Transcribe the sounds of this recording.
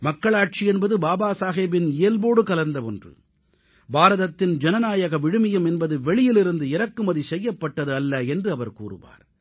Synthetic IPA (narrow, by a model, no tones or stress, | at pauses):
mɐkːɐɭaːʈ̚t͡ʃiɛnbɐðɯbaːbaːsaːɣeːbɪnɪjɐlboːɽɯkɐlɐɾnd̪ɐʋɔndrɯ̰ | baːɾɐðɐt̪ːɪnd͡ʒɛnɐnaːjɐɣɐʋɪɽɯmɪjɐmɛnbɐðɯʋɛɭɪjɪlɪɾɯnd̪ɯɪɾɐkːɯmɐðisɛjːɐpːɐʈːɐðɯɐlːɐɛndrɯɐʋɐɾkuːrɯ̰ʋa̰ːɾ